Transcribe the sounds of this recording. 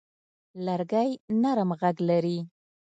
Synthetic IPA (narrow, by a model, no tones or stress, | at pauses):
laɾɡajnaɾmɣaɡlaɾi